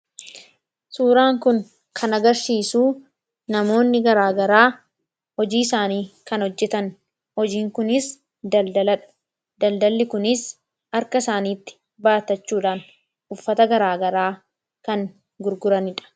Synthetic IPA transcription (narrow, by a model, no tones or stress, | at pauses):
suːɾaːŋkʊŋ | kʰɐnɐɡɐɾsiːsuː | nɐmo̞ːnːɪɡɐɾaːɡɐɾaː | hɔd͡ʒiːɪsaːniːkɐnhɔd͡ʒːɛt̪ɐn | hɔd͡ʒiːŋkʊnɪs | d̪ɐld̪ɐlɐᶑɐ̥ | d̪ɐld̪ɐlːɪkʊnɪs | ɐɾkɐɪsaːniːt̪ːɪ̥ | baːt̪ɐt͡ʃːuːᶑaːn | ʔʊfːɐt̪ɐɡɐɾaːɡɐɾaː | kɐŋ | ɡʊɾɡʊɾɐnɪᶑɐ̥